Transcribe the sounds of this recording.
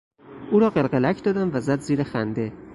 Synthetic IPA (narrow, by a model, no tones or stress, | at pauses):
uːɾɒːɢelɢelæcʰd̪ɒːd̪æmvæzæd̪ziːɾexænd̪e̞